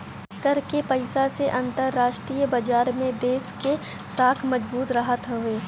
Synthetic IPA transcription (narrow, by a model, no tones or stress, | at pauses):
kɐɾkepɐɪsaseʔɐ̃nt̪əɾːaːʃʈɾiːjəbɐd͡ʒaːɾmẽd̪eːʃke | saːk̪ʰmɐd͡ʒbuːt̪ɾɐɦət̪ɦʊʋeː